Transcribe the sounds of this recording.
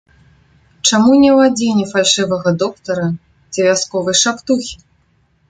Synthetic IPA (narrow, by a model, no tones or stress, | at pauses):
t͡ʂamunʲɛwad͡zʲenʲɛfalʲʂɨvɐɣɐd̪ɔkt̪ɐɾɐ | t͡sʲɛvʲaskɔvɨjʂapt̪uxʲi